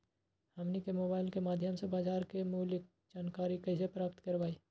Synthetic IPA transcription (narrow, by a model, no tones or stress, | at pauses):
həmnikemoːbaːɪlkemaːd̪ʱjəmsebaːd͡ʒaːɾkemuːlək̚ | d͡ʒaːnkaːɾikəɪsepɾaːp̚t̪kəɾʋaːi